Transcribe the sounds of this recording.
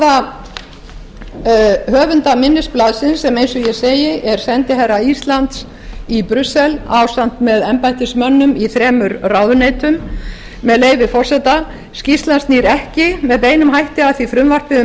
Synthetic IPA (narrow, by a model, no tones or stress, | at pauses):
a | hœːvʏnt̪amɪnːɪsplaðsɪnsːɛmejnsʏjɛseːjɪʔɛɾ̥sɛnt̪ɪɦɛɾaist̪lant̪s | ipɾʏsɛlaːwsan̥t̪mɛðɛmpajht̪ɪsmœnːʏmiθɾɛːmʏɾrawðʏnejt̪ʏmː | ɛðleːjvɪfɔr̥sɛt̪a | scist̪lanstniːɾɛhcɪmɛðpeːjnʏmɦajht̪ɪaθvifɾʏmvar̥pɪʏ